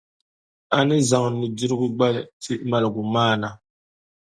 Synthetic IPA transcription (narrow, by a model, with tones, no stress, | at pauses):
a˨ni˦za˨ŋ˨ni˨di˦ɾɡu˦ɡ͡ba˦lti˦ma˦˨lɡu˨maː˦˨na˨